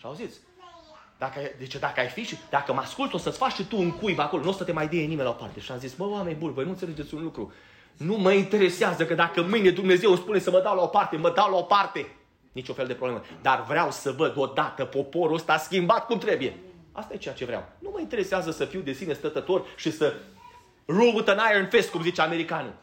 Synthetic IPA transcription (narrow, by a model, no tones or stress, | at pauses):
ʃiawzit̪sʲ | d̪̥akəajd̪e̞t͡ʃed̪akəajfiʃid̪akəmaskult̪o̞sət̪sʲfat͡ʃʲʃit̪uɨŋkujbakolonosət̪e̞majd̪inenimenlaopa̰rt̪eʃiazisbəwame̞nʲbunvo̞jnunt̪seled͡ʒe̞t̪sʲunlukɾu | numəint̪e̞ɾe̞seazəkəd̪akəmɨjne̞d̪umne̞ze̞wspune̞səməd̪awlaopart̪e̞məd̪awlao̞part̪e̞ | nit͡ʃunfeld̪e̞pɾoblemed̪arvɾeawsəvəd̪o̞d̪at̪əpo̞po̞ɾuəst̪aaskʲimbat̪̚kumt̪ɾe̞buje̞a̰st̪aje̞t͡ʃejat͡ʃe̞vɾea̰wnuməint̪e̞ɾe̞seazəsəfiwd̪e̞sine̞st̪ət̪ət̪o̞rʃisə | ruvut̪ənajərnfe̞st̪̚kumzit͡ʃeame̞ɾikanṵ